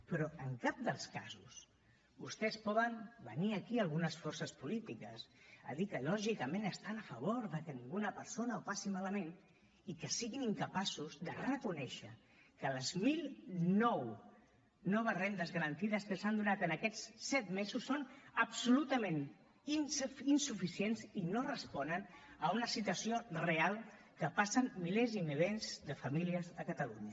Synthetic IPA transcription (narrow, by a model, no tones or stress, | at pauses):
pɾɔəŋkap̚d̪əlˠska̰zus | bust̪ɛspɔðəmbə̰niəkialˠɣunəsfɔɾsəspulit̪ikəsə̰ðikəlɔʒikəmẽnəst̪anəfəβ̞oɾðəkənĩŋɡunəpəɾsonəopasimaləmen | ikəsiɣiniŋkəpasuzðərrəkunɛʃə | kələzmilˠnɔw | nɔβəzrend̪əzɣəɾənt̪iðəskəsand̪unat̪ənəkɛt͡ssɛt̪mezusːonəbsulut̪əmen | ininsufisienzinorəspɔnənəunəsit̪wəsiorealˠ | kəpasənmilezimiβenzðəfamiliəzðəkət̪əlṵɲə